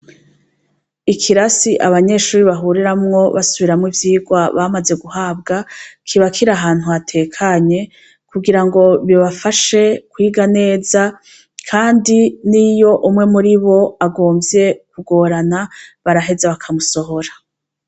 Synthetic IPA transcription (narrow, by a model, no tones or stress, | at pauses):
ikʰiɾasiʔaβaɲe̞ʃuːɾiβaɦuɾiɾamŋo̞βa̰suβiɾamŋivjiːɡwaβamaze̞ɡuɦaːbɡakʰiβakʰiɾaɦaːn̥huatʰe̞ːkʰaɲe̞ | kuɡiɾaŋɡo̞βiβafaʃe̞kwiːɡane̞ːza | kʰaːndinijo̞ʔumŋe̞muɾiβo̞aɡo̞ːmvje̞kuɡo̞ːɾanaβaɾaɦe̞zaβakʰamuso̞ɦo̞ɾa